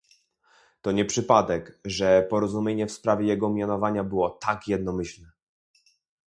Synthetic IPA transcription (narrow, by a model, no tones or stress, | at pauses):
t̪ɔɲɛpʂɘpad̪ɛkʐɛpɔɾɔzumʲjeɲɛfspɾavʲjɛjɛɡɔmʲjanɔvaɲabɘwɔt̪akjɛd̪nɔmɘɕlnɛ